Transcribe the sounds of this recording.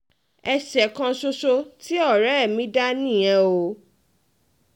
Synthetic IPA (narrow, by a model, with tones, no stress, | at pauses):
ɛ˧ʃɛ˨kã˧so˧ʃo˧ti˦ɔ˦˨ɾɛ˨˦ɛ˦˨mĩ˦da˦nĩ˦˨jɛ̃˧o˧